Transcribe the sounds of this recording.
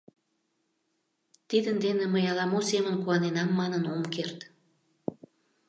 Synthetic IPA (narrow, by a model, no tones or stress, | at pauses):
t̪id̪ənd̪eneməjɑlɑmosemənkuɑnenɑmːɑnənomkert̪